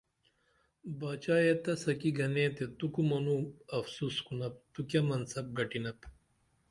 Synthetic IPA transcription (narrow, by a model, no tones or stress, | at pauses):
baːt͡ɕaːjet̪ɐsɐkiɡɐnẽːt̪et̪ukumɐnuɐfsuskunɐp̚t̪ukjɐmɐnsɐb̚ɡɐʈinɐp